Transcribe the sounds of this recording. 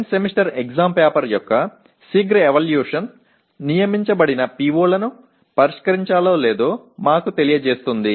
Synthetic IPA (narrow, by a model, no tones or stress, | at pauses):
nsemiʂʈɐɾeɡzaːmpeːpɐɾjɔkːɐ | siɡɾeʋɐːljuːʂɐn | nijɐmiɲt͡ʃɐbɐɽinɐpiʋoːlɐnu | pɐɾiʂkɐɾiɲt͡ʃaːloːle̞ːd̪oːmaːkut̪e̞lijɐd͡ʒeːst̪und̪i